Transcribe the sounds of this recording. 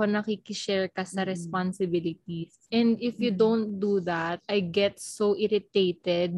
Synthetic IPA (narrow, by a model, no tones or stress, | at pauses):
onɐkiːkɪʃɛɹkɐsɐɾɛspansɪbɪlɪt̪̚isʔɛ̃nd̪ɪfjud̪õwnt̪̚d̪uðat̪̚ʔajɡɛt̪soʔɪɾɪt̪ejt̪ɛd̪̚